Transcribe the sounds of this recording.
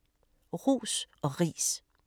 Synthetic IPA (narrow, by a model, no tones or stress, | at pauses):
ʁṵːsɒ̽ʁḭːs